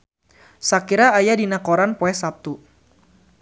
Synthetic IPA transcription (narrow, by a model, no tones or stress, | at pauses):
sakiɾaːjadinakoɾanpoɛsap̚t̪u